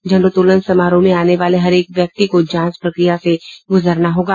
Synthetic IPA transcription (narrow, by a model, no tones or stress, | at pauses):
d͡ʒɐ̃ɳɖot̪uːlənsɐmaːɾõmẽaːneʋaːleɦɐɾeːkʋjɐk̚t̪ikod͡ʒãːspɾɐkɾijaseɡʊzəɾnaɦoːɡaː